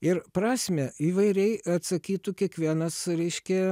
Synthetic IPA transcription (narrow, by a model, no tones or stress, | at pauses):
ɪɾpɾɑːsʲmʲɛiːʋɐɪɾʲɛɪɐt̪sɐkʲiːt̪ʊkʲiɛkʋʲiɛnɐsɾʲɛɪʃʲkʲɛ